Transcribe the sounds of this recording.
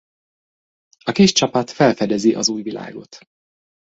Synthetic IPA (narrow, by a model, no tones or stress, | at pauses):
ɒkiʃt͡ʃɒpɒt̪fɛlfɛd̪ɛziʔɒzuːjvila̰ːɡo̞̰t̪